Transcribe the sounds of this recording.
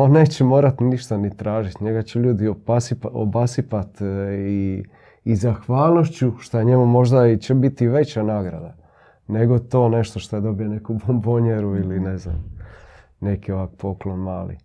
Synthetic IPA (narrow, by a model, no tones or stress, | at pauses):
one̞ːt͡ɕemo̞ːɾat̪niʃt̪anit̪ɾaːʒit̪ɲe̞ɡat͡ɕeʎuːd̪iopasipo̰basipat̪iː | zaxʋaːlˠno̞ʃt͡ɕuʃt̪ajeɲemumo̞ʒd̪ait͡ɕebit̪iʋe̞t͡ɕanaːɡɾa̰d̪a | ne̞ɡo̞t̪o̞ːne̞ʃt̪o̞ʃt̪ojed̪o̞bijo̞ne̞kubomboɲeɾuilinezna̰m | ne̞kioʋakpʰo̞klonmaːlḭ